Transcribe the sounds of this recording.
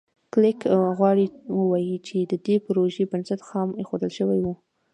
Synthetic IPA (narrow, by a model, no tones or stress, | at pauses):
klɪkɣwɑɽiwəwɑjit͡ʃed̪əd̪epɾoʒebənsat̪xɑmexod̪əlʃəwajwu